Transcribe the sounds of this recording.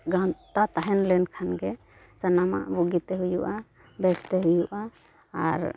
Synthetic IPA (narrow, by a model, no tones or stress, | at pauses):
ɡãt̪at̪aɦɛnlɛnkʰanɡɛ | sanama̰ʔbuɡit̪ɛɦujuʔa | bɛst̪ɛɦujuʔaː | ɾ